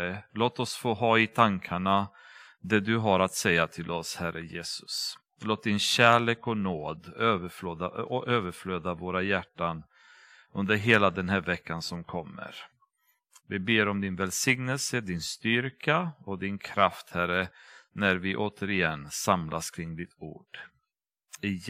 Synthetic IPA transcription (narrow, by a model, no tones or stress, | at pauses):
əloːt̪ɔsfoːɦɑːɪt̪ʰaŋkʰaɳa | d̪ɛd̪ɵɦaɾat̪sɛjːat̪ʰɪlɔshæɾʔəjeːsɵ̥s | loːt̪̚d̪ɪnɕæːɭeːkɔnoːd̪øːvəɾfløːd̪aɔʔøːvəɾfløːd̪avoːɾajæʈːan | ɵnd̪əɾɦeːlad̪ɛnɦæːɾvɛkːansɔmkʰɔmːə̰ɾ | vɪbeːɾɔmd̪ɪnvɛlsɪŋnɛlsəd̪ɪnst̪ʏɾkaɔd̪ɪnkʰɾaft̪hæɾənæɾvɪʔoːt̪ʰəɾɪɛnːsamlʔaskʰɾɪŋːd̪ɪt̪ṵːɖ̥ | ɪ